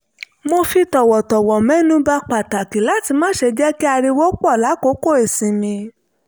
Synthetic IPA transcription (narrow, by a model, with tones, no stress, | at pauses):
mo˧fi˧tɔ˨wɔ˨tɔ˨wɔ˨mɛ̃˨˦nũ˦ba˧k͡pa˨ta˨ki˨˦la˨˦ti˧mãː˦ʃe˧d͡ʒɛ˦ki˦a˧ɾi˧wo˦k͡pɔ˦˨la˨˦ko˦ko˦˨e˨sĩ˨˧mĩ˧